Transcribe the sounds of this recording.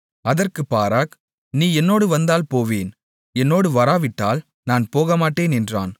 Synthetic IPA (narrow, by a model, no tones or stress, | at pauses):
ɐðɐrkɯpːaːɾaːk | niːɛnːoːɽɯʋɐnd̪aːlpoːʋeːn | ɛnːoːɽɯʋɐɾaːʋɪʈːaːl | naːnpoːɣɐmaːʈːeːnɛndra̰ːn